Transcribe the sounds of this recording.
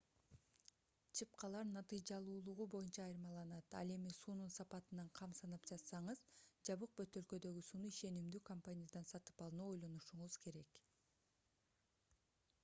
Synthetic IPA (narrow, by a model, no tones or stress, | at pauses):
t͡ʃʰɯp̚qɑlˠɑɾnɑt̪ɨjd͡ʒɑlˠuːlˠuʁubo̞junt͡ʃɑːjɯɾmɑlˠɑnɑt̪ɑ̰lˠe̞misuːnunsɑpɑt̪ɯnɑɴqʰɑmsɑnɑpd͡ʒɑt̪sɑɴɯzd͡ʒɑβɯq̚bøt̪ø̞lkø̞d̪ø̞ɡysuːnuiʃe̞nimd̪yːkompanʲijad̪ɑnsɑt̪ɯ̥pɑlˠɯnuo̞jlˠo̞nuʃuɴuz̥ke̞ɾe̞k